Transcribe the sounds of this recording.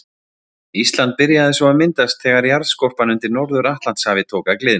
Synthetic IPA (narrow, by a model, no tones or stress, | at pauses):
ist̪lant̪̚pɪɾjaðɪsvɔamɪnt̪ast̪θɛːɣaɾjaɾðskɔwr̥panʏnt̪ɪɾnɔɾðʏɾaht̪lan̥t̪shavɪðt̪ʰoːkaklɪːð